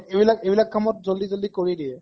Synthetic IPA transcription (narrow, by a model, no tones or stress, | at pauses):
ebilaɡebilaɡ̚kʰːamɔt̚d͡ʒold̪id͡ʒold̪ikoɾid̪ie